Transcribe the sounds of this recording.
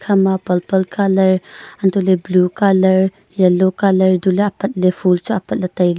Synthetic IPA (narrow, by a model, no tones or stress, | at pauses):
kʰɐmapɐlpɐlkʰalɐɾʔɐnt̪oleblukalɐɾ | jɐlːokalɐɾduleɐpɐt̪̚lefʰult͡suʔɐpɐt̪̚lɐtɐjl